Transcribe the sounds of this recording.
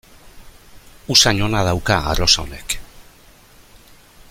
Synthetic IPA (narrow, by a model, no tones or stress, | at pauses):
usaɲo̞naðawkaa̰ro̞saone̞k